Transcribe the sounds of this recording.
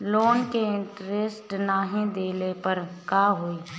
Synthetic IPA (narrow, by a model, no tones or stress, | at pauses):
loːnkeɪ̃ɳʈɾesʈnaːɦẽd̪eːlepəɾkaːɦoi